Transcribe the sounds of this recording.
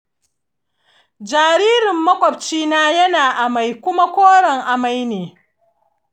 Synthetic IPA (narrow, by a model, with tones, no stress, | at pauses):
d͡ʒaː˨ɾiː˦ɾɪ˨mːɐ˦kʷʼɔ˨p̚t͡ʃiː˦naː˦jɐ˦naː˨ʔa˨ma˨jkʷʊ˦ma˦kʷoː˦ɽɐ˨ŋʔa˨ma˦jneː˨